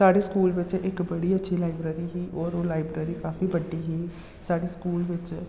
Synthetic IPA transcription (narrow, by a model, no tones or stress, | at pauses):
saːɖeːskuːlʋɪt͡ʃɪkbəɽiːətːʃʰiːlaːɪbɾeːɾiːɦiːʔɔːɾoːlaːɪbɾeːɾiːkaːfiːbəɖːiːɦiː | saːɖeːskuːlʋɪt͡ʃ